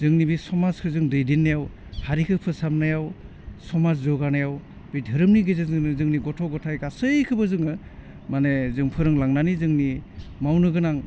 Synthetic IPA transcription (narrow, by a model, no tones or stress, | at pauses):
zɯŋnibisɔmaskʰɯzɯŋdɯjdinːajaw | haɾikʰɯpʰɯsamnajaw | sɔmazzɔɡanajaw | bidʱɯɾɯmniɡezazɯnɯzɯŋniɡɔtʰɔɡɔtʰajkasɯjkʰɯbɯzɯŋɯ | manezɯŋpʰɯɾɯŋlaŋnanizɯŋnimawnɯɡɯnaŋ